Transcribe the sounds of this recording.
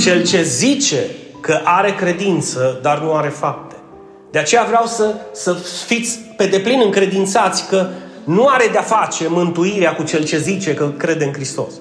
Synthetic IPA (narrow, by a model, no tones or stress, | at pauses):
t͡ʃe̞lt͡ʃe̞zit͡ʃe̞ | kəʔaɾe̞kɾe̞d̪int̪səd̪arnuaɾe̞fap̚t̪e̞ | d̪̥eat͡ʃe̞javɾeawsəsəfit̪sʲpe̞d̪e̞plinɨŋkɾe̞d̪int̪sat̪sʲkə | nuaɾe̞d̪eafat͡ʃe̞mɨnt̪uiɾeakut͡ʃe̞lt͡ʃe̞zit͡ʃe̞kəkɾe̞d̪e̞ɨnkɾist̪o̞̰s